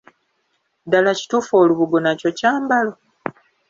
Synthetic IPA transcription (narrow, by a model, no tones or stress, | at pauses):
dalaci̥tuːfo̞ːluβuɡonaco̞caːmbalo̞